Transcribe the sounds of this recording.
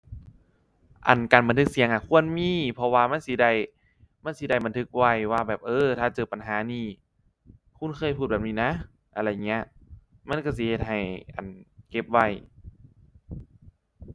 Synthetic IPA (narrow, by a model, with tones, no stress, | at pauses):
ʔa̰˨˩nkaː˨˩nba˨nt̪ʰɯ˧˥k̚si˨˩˦əŋʔaː˧˩kʰu˧˥˨ənmiː˧˥˨pʰɔ˧waː˧ma˧˥˨nsi˧˦da˧˩j | ma˧˥˨nsi˧˦da˧˩jba˨nt̪ʰɯ˧˥k̚wa˧˩jwaː˧˩bɛː˨˩p̚ʔɤː˧t̪ʰaː˧˩t͡ɕɤː˨˩pa˨˩nɦaː˨˦niː˧˩ | kʰu˧˥˨nkʰɤː˧˥˨jpʰuː˧˩t̚ɛː˨˩niː˧˩˨na˧˥˨ | ʔa˧ɾa˧˩˨ŋi˦˥ɐ˧ | ma˧˥˨nka˧˩s̬i˧˦he˧t̪̚ha˨˩jʔa̰˨˩nke˧˥p̚wa˧˩j